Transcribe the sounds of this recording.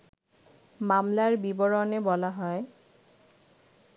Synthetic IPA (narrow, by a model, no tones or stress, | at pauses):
mamlaɹbibɔɹɔnebɔlaɦɔe